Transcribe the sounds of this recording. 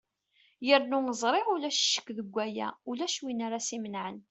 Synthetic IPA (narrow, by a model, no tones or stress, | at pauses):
jəɾnʊnəzˤɾˤeʁʊlæʃʃːə̥kːðəɡʷːæjæ̰ulæʃwinaɾasimənʕən